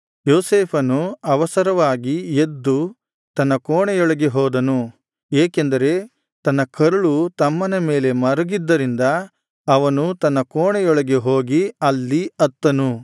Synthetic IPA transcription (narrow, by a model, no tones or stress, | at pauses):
joːseːpʰɐnuɐʋɐsɐɾɐʋaːɡied̪ːu | t̪ɐnːɐkoːɳɛjɔɭɐɡeɦɔːd̪ɐnu | eːkend̪ɐɾe̞ | t̪ɐnːɐkʰɐɾɐɭut̪ɐmːɐnɐme̞ːle̞mɐɾɐɡid̪ːɐɾind̪ɐː | ʋɐnut̪ɐnːɐkoːɳɛjɔɭɐɡe̞ɦoːɡiɐlːiɐt̪ːɐnu